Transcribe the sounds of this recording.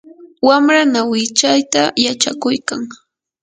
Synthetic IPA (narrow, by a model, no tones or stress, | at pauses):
wamɾanawɪt͡ʃajt̪ajat͡ʃa̰kʊjkaŋ